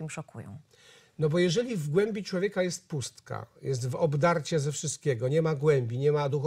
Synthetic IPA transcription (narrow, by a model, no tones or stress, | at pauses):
imʂɔkʰṵjɔ̰̃w̃ | nɔbɔjɛʐɛlʲivɡwɛmʲbʲit͡ʂwɔvʲjɛkajɛst̪̚pust̪ka̰jɛs̬t̪vɔbd̪aɾt͡ɕɛzɛfʂɘst̪̚kʲɛɡɔɲɛmaɡwɛmbʲiɲɛmad̪ux